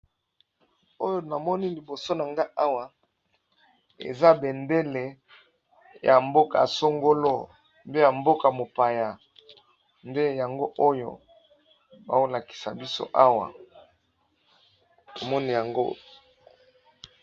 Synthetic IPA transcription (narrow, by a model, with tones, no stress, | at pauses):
o˦jo˦na˨mɔ˦ni˦li˨bo˨so˦na˨ŋɡa˦ʔa˦wa˨ | ḛ˨za˦be˨nde˦le˨ | ja˨mbo˦ka̰˨so˦ŋɡo˦lo˦ | mbe˦ja˨mbo˦ka˨mo˨pa˨ja˨ | nde˦ja˨ŋɡo˦ʔo˦jo̰˨ | ba̰˦wo˦la˨ki̥˨sa̰˨bi˦so̰˦ʔa˦wa̰˨ | to˨mɔ˦ni˦˨ja˨ŋɡo˦